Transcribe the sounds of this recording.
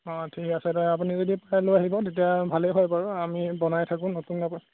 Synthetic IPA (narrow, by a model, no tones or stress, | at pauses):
ɔtʰikasɛtɛapunizodipajlojaɦibɔtet̬ijabʱaleɦɔjpaɹɔamibɔnajtʰakũnɔtunːap